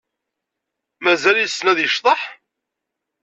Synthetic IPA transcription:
mæzælijsnæðjəʃt̪ˤɑħ

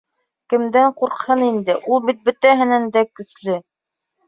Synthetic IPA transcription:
kɘ̆md̪æɴquɾqhɤnind̪ɘʔulˠbit̪̚bɵ̆t̪æɦɘ̆nænd̪ækɵ̆slɘ

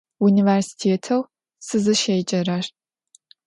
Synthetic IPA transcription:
universi̥tʰeːtʰɐw | sɨzɨʃejt͡ʃʼɐɾɐʃ

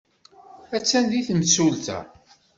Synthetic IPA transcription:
æt͡sːænd̪iθmsult̪æ̰

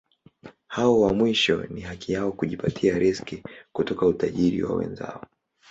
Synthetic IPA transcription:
haɔwamwiʃɔ̰niɦakijaɔkuʄipatʰiaɾʔɛskikutɔkautaʄiɾḭwa̰wɛ̰nza̰ɔ

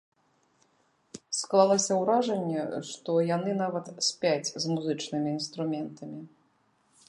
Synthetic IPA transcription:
sklˠalˠɐsʲɐwɾaʐɐnʲːɛʂt̪ɔjanɨnavɐt̪sʲpʲat͡sʲzmuzɨt͡ʂnɨmʲiːnst̪ɾumʲɛnt̪ʰɐmʲi

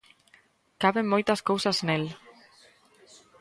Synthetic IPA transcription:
kaβemmojt̪askowsaznel

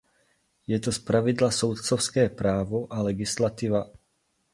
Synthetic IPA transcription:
jɛt̪ospɾavɪd̪lasowt̪t͡sofskɛːpɾaːvoʔalɛɡɪslat̪iva

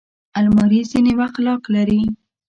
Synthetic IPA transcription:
almaɾizinewaxt̪lɑklaɾi

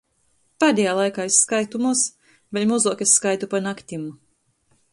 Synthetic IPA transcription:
paːd̪ʲɛjaːlˠajkaːisːkajt̪umuɔs | vɛlʲmɔzuɔkʲesːkajt̪upanakt̪ʲimu

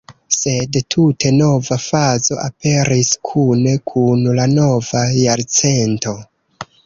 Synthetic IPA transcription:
se̞dtʰutʰe̞no̞vafazo̞̰ʔape̞ɾiskʰune̞kʰunlano̞vajaɾt͡se̞nto̞

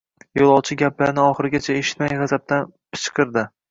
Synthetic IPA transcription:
jolˠɒwˠt͡ʃʰɪɡʲaplaɾnɪɒχɨɾɪɡʲat͡ʃʰaeʃɪ̥t̪majʁazap̚t̪ʰan | pʰɪ̥t͡ʃqʰɨɾd̪ɪ

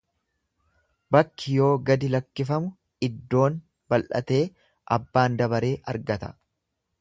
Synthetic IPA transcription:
bɐkːɪjo̞ːɡɐd̪ɪlɐkːɪfɐmʊ | ɪd̪ːo̞ːn | bɐlʔɐ̰t̪e̞ː | ʔɐbːaːnd̪ɐbɐɾe̞ːʔɐɾɡɐt̪ɐ̥̰

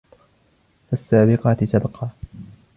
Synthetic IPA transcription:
fasːaːbɪqɑːt̪ɪsabɑqʰɑː

